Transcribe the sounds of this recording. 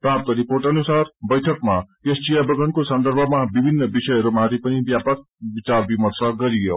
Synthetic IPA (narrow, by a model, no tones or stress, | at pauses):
pãp̚t̪ʌɾiporʈʌnusarbʌjʈʰʌkmakesʈijabʌɡʌnkosʌnd̪ʌɾbʱʌmabibʱinːʌbisʌjʌɾumaɾipʌnibjapaɾ | bit͡sarbimʌrsʌɡʌɾijo